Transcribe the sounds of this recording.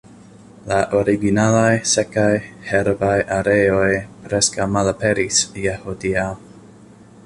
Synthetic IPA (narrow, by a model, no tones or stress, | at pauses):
laʔoɾiɡinalajse̞kajheɾbajʔaɾeojpɾe̞skawmalapeɾisjehodia